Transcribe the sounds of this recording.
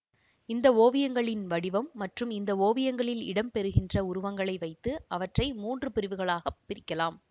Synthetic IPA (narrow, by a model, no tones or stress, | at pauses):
ɪnd̪ɐoːʋɪjɐŋɡɐɭɪnʋɐɽɪʋɐmːɐʈrɯmɪnd̪ɐoːʋɪjɐŋɡɐɭɪlɪ̰ɽɐmpɛɾɯɣɪndrɐʊɾʊʋɐŋɡɐɭɐɪʋɐɪt̪ːɯʔɐʋɐʈrɐɪmuːndrɯpɪɾɪʋɯɣɐɭaːɣɐpːɪɾɪkːɐlaːm